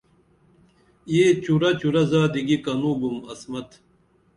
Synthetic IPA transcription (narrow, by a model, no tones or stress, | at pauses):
jeːt͡ɕuɾɐt͡ɕuɾɐzaːd̪iɡikɐnuɡumɐsmɐt̪